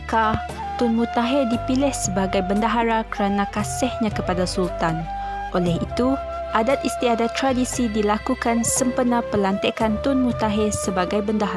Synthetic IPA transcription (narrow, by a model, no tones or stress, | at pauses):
ka | t̪ʊnmũt̪aɦɪdipilɪhsəbaɡajbəndaɦaɾakəɾanãkasɪhɲãkəpadasult̪an | ʔolɛhit̪u | ʔadat̪̚ist̪iadat̪ːɾadisidilakukansəmpənãpəlant̪eʔkant̪ʊnmũt̪aɦɪrsəbaɡajbəndaɦa